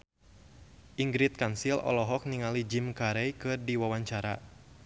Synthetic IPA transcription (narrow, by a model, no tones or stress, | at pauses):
ʔiŋɡɾit̪̚kansilɔ̰lɔɦɔk̚niŋalid͡ʒimkaɾɛjkɨrdiwawaɲt͡ʃaɾa̰